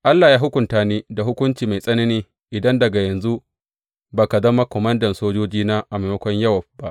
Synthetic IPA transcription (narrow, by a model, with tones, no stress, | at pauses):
ʔa˦lːaː˨jaː˦ɦʊ˦kʷʊ˨ntaː˦neː˦da˨ɦʊ˦kʷʊ˦nt͡ʃiː˨ma˨jsʼɐ˦ne˦neː˦ | ʔɪ˨dɐ˦ndɐ˨ɡa˨jɐ˨nzu˦ʔ | baː˨ka˨zɐ˦ma˦kʷɔ˨mɐ˦ndɐ˨nsoː˦d͡ʒoː˦d͡ʒiː˦naː˦ʔa˨ma˨mɐ˦kʷɔ˦ɲjɐ˦wa˨ba˦ʔ